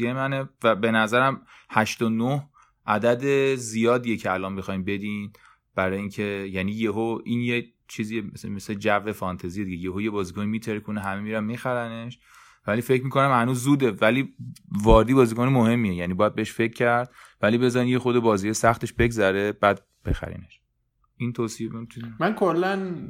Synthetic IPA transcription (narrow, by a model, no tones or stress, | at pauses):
iemænevæbe̞næzæɾæmhæʃt̪onoh | ʔæd̪æd̪ezijɒːd̪ijecʰeælɒːnbexɒːjinbe̞d̪iːn | b̥æɾɒːjiːncʰe̞jæniːjeɦoʔiːnje | t͡ʃʰiːziːmesmesled͡ʒæve̞fɒnt̪ʰezijed̪iɟejeɦojebɒːzikonimiːt̪ʰeɾkʰoneɦæmemiɾæmmːixæɾæneʃ | væliːfe̞cʰːmiːkʰonæmhænuːzːuːd̪evæliːvɒːɾed̪iːbɒːzikonemohe̞mːijejæniːbɒːjæd̪beeʃfe̞cʰːæɾd̪̥̚vælibe̞zɒɾinjexod̪ebɒːziːejsæxt̪ʰe̞ʃbe̞ɡzæɾeb̥æd̪̚ | b̥exæ̰ɾḭːneʃ | ʔiːnt̪ʰosieemit̪unmænkʰolːæn